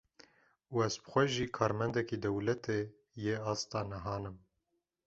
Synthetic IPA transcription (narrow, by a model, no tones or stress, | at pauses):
uːɛzbɨ̥xʷɛʒiːkʰɑːɾmɛnd̪ɛkid̪ɛwlɛt̪ʰeː | jeːɑːst̪ɑːnɛɦɑːnɨm